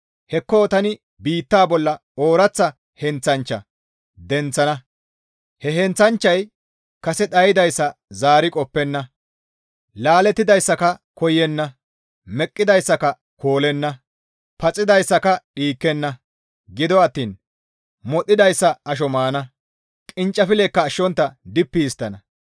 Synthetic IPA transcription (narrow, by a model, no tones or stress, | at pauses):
hɛkːoːt̪ɐnɪ | biːt̪ːaːbɔlːɐ | oːɾɐt͡sːɐ | hɛnt͡sːɐnt͡ʃːɐ̰ | d̪ɛnt͡sːɐnɐ | hɛɦɛnt͡sɐnt͡ʃːɐj | kɐsɛt̪ɐjɪd̪ɐjsːɐzaːɾɪkʼɔpːɛnːɐ | laːlɛt̪ːɪd̪ɐjsːɐkɐkɔjːɛnːɐ | mɛkʼːɪd̪ɐjsːɐkɐ | kʰo̞ːlɛnːɐ | pɐt͡sʼːɪd̪ɐjsːɐkɐɗiːkːɛnːɐ | ɡɪd̪ɔɐt̪ːiːn | mɔt̪ʼːɪd̪ɐjsːɐɐʃ̬ɔmaːnɐ | kʼɪnt͡ʃʼːɐfɪleːkːɐːʃːɔnt̪ːɐd̪ɪpːijɪst̪ːɐnɐ